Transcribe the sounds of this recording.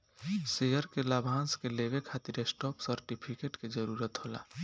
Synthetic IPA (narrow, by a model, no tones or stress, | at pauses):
sejəɾkelabʱãːnskelebekʰat̪iɾesʈɔːpsəɾʈipʰikeʈked͡ʒəɾuɾət̪ɦola̰ː